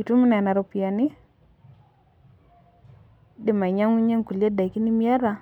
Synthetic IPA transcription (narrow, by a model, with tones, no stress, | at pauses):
i˨tu˦mɪ˦nɛ˨na˨ɾo˨pi˨a˨nɪ˦ | dɪ˦˨ma˨ɲa˦ŋwi˦ɲe˦ŋku˨lje˦da˨i˨ki˦ni˦mja˦ɾa˦